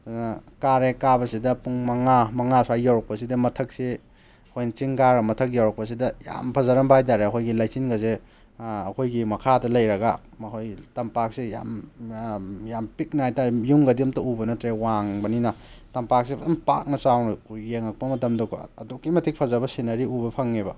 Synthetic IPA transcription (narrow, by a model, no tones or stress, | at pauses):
danɐkaɾekabɐsidɐpuŋmɐŋamɐŋasuajjawɾɐk̚pɐsidɐmɐtʰɐk̚si | kʰojnt͡ʃiŋɡaɾɐmɐtʰɐk̬̚jawɾɐk̚pɐs̬idɐja̰mpʰɐzaɾɐmbajdaɾeɐkʰojɡilajsinɡɐze | ɐkʰojɡimɐkʰadɐlɐjɾɐɡa | ɐkʰojtɐmpak̚sija̰m | jampik̚najtaɾjuŋɡɐdiumtɐubɐnɐtɾewaŋbɐninɐ | tɐmpak̚sibɐdumpa̰k̚nɐsawnɐjeŋɐk̚pɐmɐtɐmdokʰo̰ɐdukːimɐtʰik̚pʰɐzabɐsinɐɾiubɐpʰaŋːebɐ